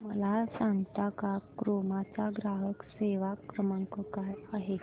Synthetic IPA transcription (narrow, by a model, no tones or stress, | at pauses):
mə̰lasãŋɡt̪akakɾomat͡saɡɾaɦəkseʋakɾəmaŋkɔkajaɦe